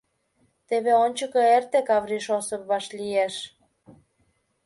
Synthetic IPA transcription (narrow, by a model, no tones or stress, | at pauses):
t̪eβeonʲt͡ɕəkɤert̪ekɑβɾiʃosəp̚βɑʃlieʃ